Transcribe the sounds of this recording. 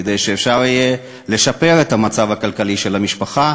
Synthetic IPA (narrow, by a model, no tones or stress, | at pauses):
ed̪ejʃeːfʃaʁije | le̞ʃape̞ʁet̪hamat͡savakalkaliʃelamiʃpaχa